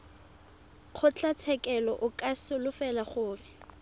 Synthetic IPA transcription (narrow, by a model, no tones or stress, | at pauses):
q͡χʰʊt͡ɬʼat͡sʰɛkʼɛlɔʔʊkʼasɪlʊfɛlaχʊːrɪ